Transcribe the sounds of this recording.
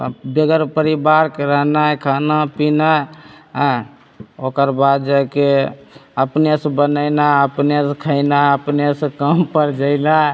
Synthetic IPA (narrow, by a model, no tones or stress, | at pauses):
beɡəɾpəɾibaɾkeɾəɦnajkʰanapinaɦ | okəɾbad̪d͡ʒake | əpnesə̃bənəɪnaəpneskʰəɪnaəpnesə̃kəmpəɾd͡ʒəɪla